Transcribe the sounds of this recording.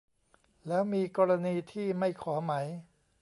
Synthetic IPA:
lɛː˦˥wmiː˧kɔː˧ɾa˧niː˧t̪ʰiː˥˩ma˥˩jkʰɔː˩˦ma˦˥j

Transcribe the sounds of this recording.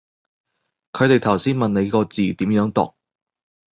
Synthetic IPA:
kʰɵ˨˧t̪e˨jt̪ʰɐ˨˩wsiː˥nmɐ˨nne˨˧jkɔː˧t͡siː˨t̪iː˨˥mjœː˨˥ŋt̪ɔ̰˨k̚

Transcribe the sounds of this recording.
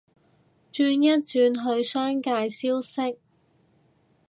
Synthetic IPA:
t͡ʃyː˧njɐ˥t̚t͡ʃyː˧nɦɵ˧ɥsœː˥ŋkaː˧jsiː˥wsɪ˥k̚

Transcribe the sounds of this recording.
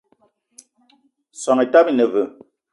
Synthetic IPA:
sɔ˨ŋɛ˨ta˦bi˦nə˨və˨

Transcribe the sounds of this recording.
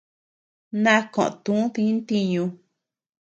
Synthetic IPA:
nã˦kõ̰˨ʔt̪ũ˨˦ũ˦t̪ĩ˧˦nt̪i˧ɲũ˧

